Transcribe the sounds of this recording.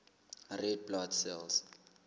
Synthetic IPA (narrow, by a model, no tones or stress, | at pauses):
rɛd̚blɔtsɛls